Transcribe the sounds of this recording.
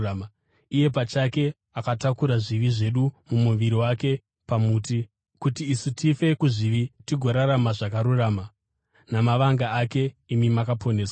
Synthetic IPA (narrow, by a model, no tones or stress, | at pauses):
ije̞p̬at͡ʃake̞ | akatakuɾaʐiʋiʐe̞ɗumumuʋiɾiwake̞ | pamuːti | kutiːsutʰife̞kuʐiʋitiɡʱo̞ɾaɾamaʐakaɾuraːma | namaʋaŋɡaake̞imimakapʰo̞neːswḁ